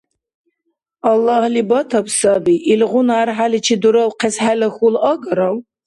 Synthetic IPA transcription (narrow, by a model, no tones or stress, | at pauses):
ɑlːɑhlibɐtʰɐpsɐbiʔilʁʷʊnaːrħalit͡ʃʰid̪uɾɐwqʰɛsħalɐxulɐɡʼɐɾɐw